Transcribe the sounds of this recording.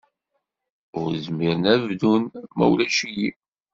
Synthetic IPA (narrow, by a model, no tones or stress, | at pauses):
ʊɾzmiɾənævdunmæ̰wlæʃiji